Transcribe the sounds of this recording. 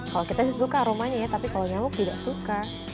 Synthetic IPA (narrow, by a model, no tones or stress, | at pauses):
kalokit̪asis̬ukaɾomaɲajat̪apikalaɲamʊk̚t̪idaʔsuka